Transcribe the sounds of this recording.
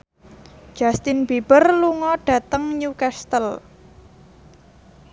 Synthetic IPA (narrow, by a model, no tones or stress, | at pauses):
ʒ̥ast̪ɪnb̥ib̥ərluŋɔɖ̥ä̤t̪əŋɲukast̪əl